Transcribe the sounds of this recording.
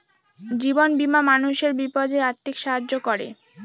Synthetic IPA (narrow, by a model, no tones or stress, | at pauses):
d͡ʑibonbimamanuʃeɾbipod̪ʱeaɾt̪ʰːikʃaɦad͡ʑokoɾḛ